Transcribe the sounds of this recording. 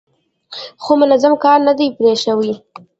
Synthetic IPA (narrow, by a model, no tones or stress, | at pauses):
xomʊnazamkɑɾnad̪ajpɾeʃawi